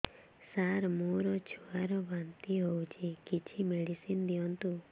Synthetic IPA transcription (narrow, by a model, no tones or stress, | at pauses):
saɾmoɾɔt͡ʃʰuaɾɔbant̪iɦowt͡ʃʰikit͡ʃʰimeɽisind̪iɔnt̪u